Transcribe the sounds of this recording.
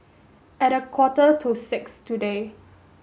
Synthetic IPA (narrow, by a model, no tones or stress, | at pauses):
ɛɾəkʰwɔtətʰusɪkstude